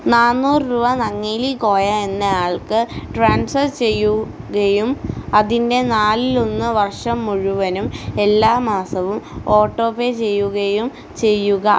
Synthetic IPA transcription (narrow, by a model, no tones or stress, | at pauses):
naːnːuːrruːbɐnɐŋːeːliko̞ːjae̞nːɐjaːɭkɨʈraːnsɐrt͡ɕe̞jːuɣɐjumɐðinde̞naːlilo̞nːɨʋɐrʂɐmːuɻuʋɐnume̞lːaːmaːsɐʋumo̞ːʈːo̞ːpeːt͡ɕe̞jːuɣɐjum | t͡ɕe̞jːuɣɐ